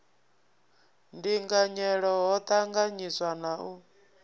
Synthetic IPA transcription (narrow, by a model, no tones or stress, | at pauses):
ndiŋɡaɲɛɺɔɦɔt̪ʰʼaŋɡaɲiswanaʔu